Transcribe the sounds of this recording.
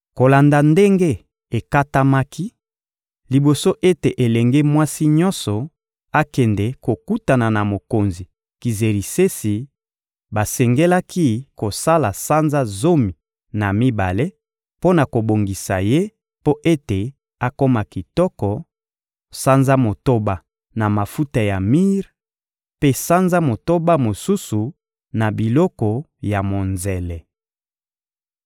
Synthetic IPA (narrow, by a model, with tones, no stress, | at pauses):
ko˨la˨nda˨nde˦ŋɡe˦ | e˨ka˦ta˦ma˦kʰi˦ | li˨bo˨so˦ʔe˦te˨ʔe˨lɛ˨ŋɡe˦mwa˦si˦ɲɔ̃˦nsɔ˨ | a˦kɛ˨ndɛ˨ko˨ku˦ta˨na˨na˨mo˨ko˨nzi˨ | ki˨ze˨ɾi˨se˦si˨ | ba˨sɛ˨ŋɡe˦la˦ki˦ko˨sa˦la˨sa˦nza˦zo˦mi˨ | na˨mi˦ba̰˨le˦ | po˦na˨ko˨bo˨ŋɡi˨sa˨je˦ | po˦ʔe˦te˨ | a˦ko˦ma˨ki˨tɔ˦kɔ˨ | sa˦nza˦mo˨to˦ba˦ | na˨ma˨fu˦ta˨ja˨mi˦ʁ | pe˦sa˦nza˦mo˨to˦ba˦mo˨su˦su˨ | na˨bi˨lɔ˦kɔ˨ | ja˨mo˨nzɛ˨lɛ˨